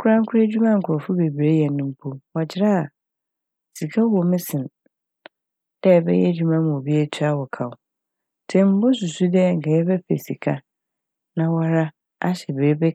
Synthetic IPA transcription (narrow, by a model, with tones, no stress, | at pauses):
kʰʊ˦ɾã˦ŋ˦kʰʊ˦ɾe˦d͡ʑᶣu˦mã˦ŋ̩˨kʰʊ˨ɔ˨fʊ˦be˨bi˨ɾe˦jɛ˨nʊ̃˦m̩˦pʰo˦wa˨d͡ʑʰɪ˦ɾa˦a˨ | si˨kʰa˦wɔ˨mɪ̃˦sɪ̃˨n | d̥ɛ˦˨bɛ̰˦jɛ˦d͡ʑᶣu˦mã˦m̃˨o˨bi˦e˦tʰɪ˦a˦wɔ˨kʰa˨wʊ˨ | tʰɛ̃˦˨m̩˦bo˦su˨su˦dɛ˦˨ŋ̩˨kʰɛ˨jɛ˦bɛ˦pḛ˨si˨kʰa˦ | nã˨wa˦ɾa˦ | a̰˦ɕɛ˨be˨ɾe˦be˦